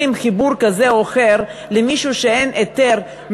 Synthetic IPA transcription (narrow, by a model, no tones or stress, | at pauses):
imχibuɾkaze̞oχe̞ɾlemiʃuʃeenʔet̪e̞ɾ | m